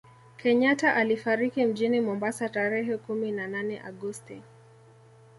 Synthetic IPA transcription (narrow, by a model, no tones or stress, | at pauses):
kʰɛɲataʔalifaɾikim̩ʄinimɔmbasataɾɛɦɛkuminananɛʔa̰ɠɔsti